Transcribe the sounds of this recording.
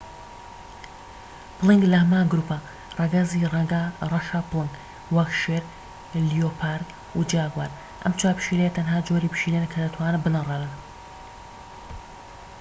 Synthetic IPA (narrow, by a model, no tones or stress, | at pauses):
pɨlˠɨŋɡlɐhɐmaːŋɡɾuːpa | rˤɑɡɐziarɑʃaːplˠɨŋɡ | wɐkʃeɾ | lijopʰaɾ | ud͡ʒiaːɡwaːɾ | ʔɐ̰mt͡ʃʰaːpʰʃilejet̪ʰɐnɦaːd͡ʒoɾiːpɨ̥ʃiːlenkʰɐd̪ɐt̪ʰwaːnɨbɨlɨŋrɑlɨn